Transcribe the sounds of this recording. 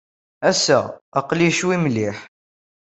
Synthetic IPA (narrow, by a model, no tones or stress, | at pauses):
æsæ̰ɑqliʃwimliħ